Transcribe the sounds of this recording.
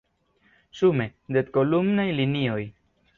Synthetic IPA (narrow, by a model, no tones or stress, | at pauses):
sume̞d̪et̪̚ko̞lumnajlinio̞j